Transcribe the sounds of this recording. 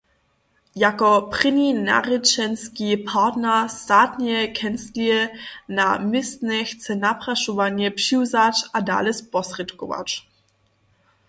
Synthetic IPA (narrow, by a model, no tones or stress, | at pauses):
jakɔprɪnina̰ʁɪt͡ʃɛnskipʰatnɛst̪aːtɲɛkʰɛnstliɛnamɪst̪nɛxt͡sɛnapʁaʃɔvaɲjɛpʂiwzat͡ʃada̰ːlɛspɔsrɛt̪kɔva̰t͡ʃ